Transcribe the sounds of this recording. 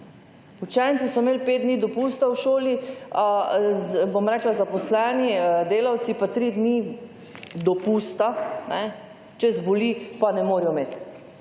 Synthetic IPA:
ut͡ʃɛːntsisɔmeːlped̪̚d̪nid̪ɔpuːst̪awʃoːli | bomɾɛːklazapɔslɛːnid̪eːlawt̪sipat̪ɾid̪ni | d̪ɔpuːst̪anɛ | t͡ʃɛzbolipanɛmoːɾijɔmeːt̪

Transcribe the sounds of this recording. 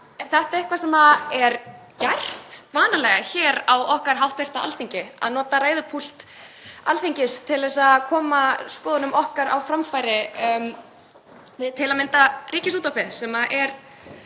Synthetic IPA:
ɛθɛht̪aɾɪhkvasɛmaɛɾ | jajr̥t̪vaːnalɛɣaçɛːɾawɔhkaɾ̥ɦawht̪vɛr̥t̪aa̰lθiɲcɪa̰ðnɔːt̪aɾaːjðʏpʰul̥t̪ | alθiɲcɪst̪ʰɪlðvɛs̬akʰɔːmaspɔːðʏnʏmɔhkaɾa̰wfɾamfajɾɪm | ɪt̪ʰɪlaðmɪnt̪ariːcɪsuːt̪awpɪðsɛmaʔɛɾ̥

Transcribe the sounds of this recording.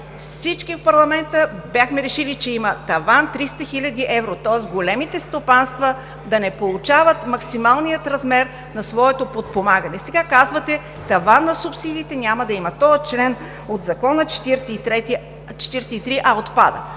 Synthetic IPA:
fsit͡ʃkifpɐɾlˠɐmɛnt̪əbjaxmɛɾɛʃilit͡ʃɛimət̪ɐvant̪ɾist̪əxilʲɐd̪iʔɛvɾot̪ɔɛsɡolɛmit̪ɛst̪opanst̪vɐ | d̪ɐnɛpolˠʊt͡ʃavət̪mɐksimalˠnijət̪ɾɐzmɛɾ | nɐsvɔɛt̪opot̪̚pomaɡənɛsɛɡakazvət̪ɛ | t̪ɐvanːɐsʊpsid̪iːt̪ɛnʲaməd̪ɐimɐt̪ɔət͡ʃlɛn | od̪zɐkɔnət͡ʃɛ̥t̪iɾsɛt̪ɾɛt̪i | t͡ʃɛ̥t̪iɾsɛit̪ɾiʔaot̪pa̰d̪ə̰

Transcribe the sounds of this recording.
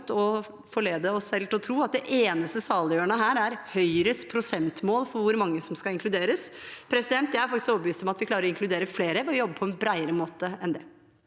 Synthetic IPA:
t̪ɔ | fɔɭeːd̪əɔsɛlt̪ɔt̪ʰɾuːɑt̪̚d̪ɛʔeːnəst̪əsɑːləjøːəɳəɦæːɾæɾhœʏɾəspʰɾʊsɛnt̪moːlfɔɾʋʊɾmɑŋːəsɔmskɑɪŋkʰlʉd̪eːɾəspʰɾɛsɪd̪ɛnt̪jæɪæɾfɑkt̪ɪskɔpːʋyːst̪ɔmɑt̪ʋɪkʰlɑːɾəɾɔɪŋklʉd̪eːɾəfleːɾəʋɔjɔbːəpʰɔɛnbɾæɪəɾəmoːt̪əɛnd̪ɛ

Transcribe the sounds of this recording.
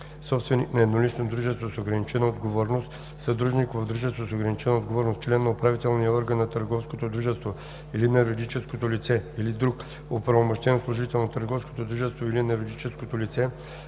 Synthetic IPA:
sɔpst̪vɛniknɐɛd̪nolit͡ʃnod̪ɾuʒɛst̪vosoɡɾɐnit͡ʃɛnəod̪ɡovɔɾnost̪ | sɐd̪ɾuʒnikovod̪ɾuʒɛst̪vosoɡɾɐnit͡ʃɛnɐod̪ɡovɔɾnost̪t͡ʃlɛnːɐopɾavit̪ɛlˠnijəɔɾɡənːɐt̪əɾɡɔfskot̪od̪ɾuʒɛst̪vo | ilinɛɾod̪it͡ʃɛskot̪olit̪sɛilid̪ɾuk | opɾɐvomoʃt̪ɛnslˠoʒit̪ɛlˠnot̪əɾɡɔfsko̥t̪od̪ɾuʒɛst̪voilinɛɾod̪it͡ʃɛskot̪olit̪sɛ

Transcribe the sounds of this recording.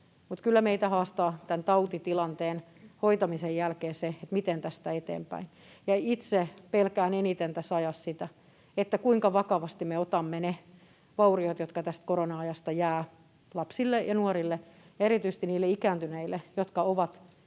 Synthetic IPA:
mut̪kylːæmeit̪æhɑːst̪ɑːt̪ænt̪ɑut̪it̪ilɑnt̪eːn | hoit̪ɑmisejjælkeːseet̪mit̪ent̪æst̪æet̪ḛːmpæ̰in | jɑit̪sepelkæːnenit̪ent̪æsɑjɑssit̪æ | et̪ːækuiŋkɑʋɑkɑʋɑst̪imeot̪ɑmːene | ʋɑuriot̪jot̪kɑt̪æst̪̚koronɑɑjɑst̪ɑjæː | lɑpsilːejɑnuɔrilːe | eɾit̪yise̥st̪iniːlːeikæːnt̪yneilːˑejot̪kɑoʋɑt̪

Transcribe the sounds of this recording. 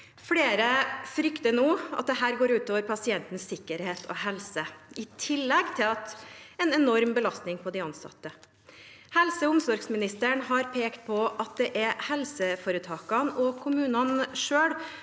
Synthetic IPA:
fɽeːɾəfɾʏkt̪ənuːɑ̰t̪̚d̪ɛɦæːɾɡoːɾʉːt̪oːʋəɾpʰɑsɪɛnt̪n̩sːɪkːəɾheːt̪ʰɔ̰hɛlsəɪt̪ʰɪlːɛɡt̪ʰɪlɑt̪ɛnɛnɔɾmbəlɑst̪nɪŋpʰɔd̪ɪɑnsɑ̰t̪ːə | hɛlsəʊmsɔɾɡsmɪnɪst̪əɳhɑɾpʰeːkt̪̚pʰɔʔɑt̪̚d̪ɛʔɛhɛlsəfoːɾət̪ʰɑːkɑnɔkʰʊmʉːnɑnʂøːɽ

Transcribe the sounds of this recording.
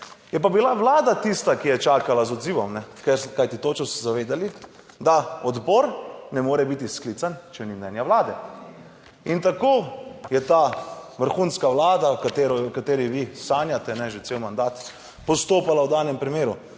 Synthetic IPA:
jɛp̬abilaʋlaːd̪at̪ist̪akijɛt͡ʃaːkalazɔd̪ziːʋɔmnɛkɛɾkajt̪it̪oːt͡ʃɛsɛzaʋeːd̪ali | d̪aɔd̪bɔɾnɛmoːɾɛbit̪isklit̪sant͡ʃɛnimnɛnjaʋlaːd̪ɛ | int̪akoːjɛt̪aːʋəɾxuːnskaʋlaːd̪akat̪eːɾɔjwkat̪eːɾiʋisaːnjat̪ɛnɛʒesewmand̪aːt̪ | pɔst̪oːpalawd̪aːnɛmpɾimeːɾu

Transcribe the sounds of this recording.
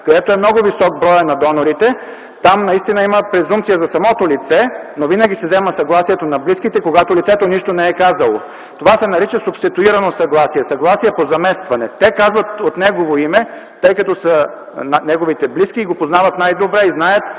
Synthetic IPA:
kod̪ɛt̪oɛmnɔɡovisɔk̚bɾɔjənɐd̪ɔnoɾit̪ɛ | t̪amnɐist̪inɐiməpɾɛzumpt̪sijɐzɐsɐmɔt̪olit̪sɛnovinɐɡ̟ʲisɛzɛməsɐɡlˠasijɛt̪onɐbliskit̪ɛkoɡat̪olit̪sɛt̪oniʃt̪onɛɛkazɐlˠo | t̪ovasɛnɐɾit͡ʃəsʊpst̪it̪uiɾɐnosɐɡlˠasiɛsɐɡlˠasiɛpozɐmɛst̪vɐnɛt̪ɛkazvɐt̪ot̪nɛɡovoimɛ | t̪ɤjkɐt̪osə | nnɛɡovit̪ɛblisk̟iːɡopoznavɐt̪najd̪obɾɛiznajət̪̚

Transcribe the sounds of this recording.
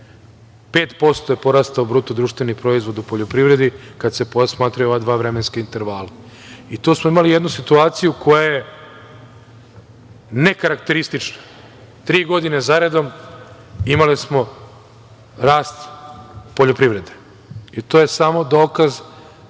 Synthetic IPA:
pe̞ːt̪po̞st̪ojepo̞ɾast̪aubɾuːt̪od̪ɾuːʃt̪ʋe̞nipɾo̞izvʋo̞d̪upoʎopɾiʋɾe̞d̪ikad̪se̞posmaːt̪ɾajuoʋad̪ʋaːʋɾemenskaint̪e̞ɾʋaːla | it̪oːsmoimalijed̪nusit̪uaːt̪sijukʰo̞jaje | ne̞kaɾakt̪e̞ɾist̪it͡ʃnḁ | t̪ɾiːɡo̞d̪inezaɾe̞d̪o̞m | imalismo̞ | ɾaːst̪poʎopɾiʋɾe̞d̪e̥ | it̪oːje̞samo̞d̪o̞ːkaz

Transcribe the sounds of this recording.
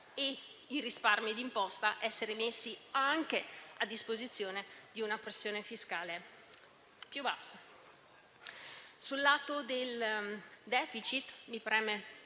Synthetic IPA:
eirisparmid̪impɔst̪aʔɛsːeɾemesːiaŋk̟ead̪ːispozit̪sːjoːned̪iunapɾesːjoːnefiskaːle | pjubasːa | sulːaːt̪od̪el | d̪ɛːfit͡ʃit̪mipɾɛːme

